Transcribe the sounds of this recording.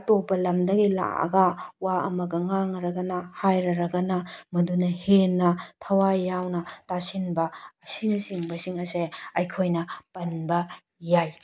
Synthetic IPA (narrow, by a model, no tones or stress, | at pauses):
ɐtopɐlɐmdɐɡila̰ɐ̰ɡɐwaɐ̰mɐɡɐŋaŋɾɐɡɐnɐhajɾɐɾɐɡɐnɐmɐdunɐhenːɐtʰɐwajːawnɐtasinbɐːsinɐsiŋbɐsiŋɐseɐjkʰojnɐpɐnbɐ | jaj